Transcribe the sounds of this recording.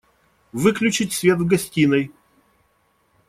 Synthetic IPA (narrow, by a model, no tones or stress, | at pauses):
vɨklʲʉt͡ɕɪtʲsʲvʲe̞t̪vɡɐsʲtʲinəj